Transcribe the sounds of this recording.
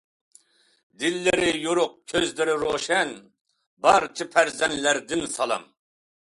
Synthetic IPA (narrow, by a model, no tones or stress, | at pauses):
d̪ɪlːɪɾɪjoɾʊq̚kʲʰøzlɪɾɪɾoʃɛn | bɑɾt͡ʃʰɨpʰæɾzɛnlæɾd̪ɪnsɑlˠɑ̰m